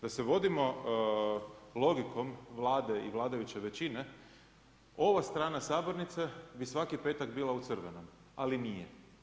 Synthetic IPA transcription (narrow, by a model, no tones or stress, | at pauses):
d̪aseʋo̞d̪imo̞ | lˠo̞ɡikʰo̞mʋlˠaːd̪e̞iʋlˠaːd̪ajut͡ɕeʋet͡ɕine̞ | o̞ʋast̪ɾaːnasaːbo̞ɾnit̪sebisʋakipeːt̪aɡbiːlaut̪sɨr̩ʋeno̞m | alinijḛ